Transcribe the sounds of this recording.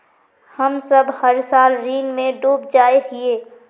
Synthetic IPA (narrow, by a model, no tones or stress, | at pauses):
hɐmsəbhɐɾsaːlɾiːnmẽɖoːb̚d͡ʒaːeɦieː